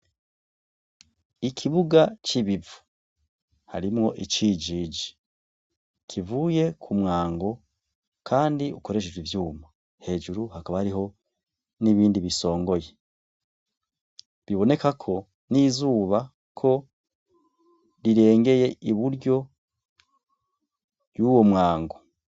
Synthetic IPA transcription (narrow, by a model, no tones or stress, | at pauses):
ikʰiβuɡat͡ʃiβivu̥ | ha̰ɾimŋo̞ʔit͡ʃid͡ʒid͡ʒi̥ | kʰivuːje̞kʰumŋaːŋɡo̞ | kʰaːndiuko̞ɾe̞ʃ̬eʒwivjuːma | he̞ːʒuɾuhakaβahaɾiɦo̞ | niβiːndiβiso̞ːŋɡo̞je | βiβo̞ne̞kakʰo̞ | nizuːβa | kʰo̞ | ɾiɾe̞ːŋɡe̞je̞ʔiβuɾɟo̞ | juːwo̞mŋaːŋɡo̞